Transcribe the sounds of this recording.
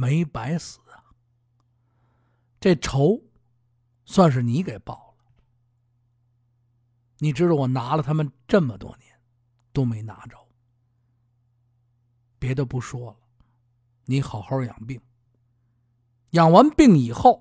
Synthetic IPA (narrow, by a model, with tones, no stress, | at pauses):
me˧˥ɪpa˧˥ɪsɹ̩˨˩˦ɐ˧ | ʈ͡ʂe˥˩ʈ͡ʂʰo˧˥ʊ | swa˥˧nʂ̬ɻ̩˥˩ni˧˥ke˨˩ɪpɑ˥˩ʊlə | ni˨˩ʈ͡ʂɻ̩˥˩ə˧˩wɔ˨˩na˧˥lə˨t̪ʰa˥mə˨nʈ͡ʂə˥˩mə˨t̪wɔ̰˥njɛ˧˥n | t̪o˥ʊme˧˥ɪna̰˧˥ʈ͡ʂo˧˥ʊ | pjɛ˧˥t̪o˥˧ʊpu˧˥˩ʂwɔ˥lə˨ | ni˧˥xɑ˨˩ʊxɑ˥˩ʊjɑ̰˨˩ŋpi˥˩ŋ | jɑ˨˩ŋwa˧˥npi˥˩ŋi˨˩xo˥˩ʊ